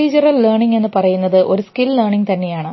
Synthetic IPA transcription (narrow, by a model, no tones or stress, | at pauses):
id͡ʑurɐlːeːrɳiŋɡe̞nːɨpɐrɐjunːɐðɨʔo̞ɾuskillerɳiŋɡt̪ɐnːe̞jaːɳɨ